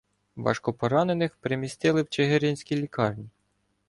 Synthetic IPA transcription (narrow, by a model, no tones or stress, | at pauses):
ʋɑ̰ʃkɔpɔɾɑne̞nɪxpɾemʲist̪ɪlˠɪwt͡ʃeɦeɾʲɪnʲsʲkʲilʲikɑrnʲi